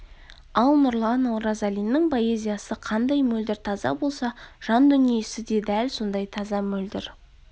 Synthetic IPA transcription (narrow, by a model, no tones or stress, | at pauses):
ɑlˠnʊɾlˠɑnawɾɑzɑlijnɪŋpʰo̞e̞zʲijɑsəqʰɑnd̪ɑjmɵld̪ɪɾt̪ʰɑzɑ̰bo̞lˠsɑʒ̥ɑnd̪ʏnije̞sɪd̪e̞d̪ælso̞nd̪ɑjt̪ʰɑzɑmɵld̪ɪɾ